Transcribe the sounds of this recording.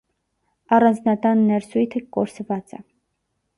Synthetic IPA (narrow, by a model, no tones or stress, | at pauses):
ɑrɑnd͡znɑt̪ɑnːɛɾsujt̪ʰəkɔɾsvɑt͡sɛ̰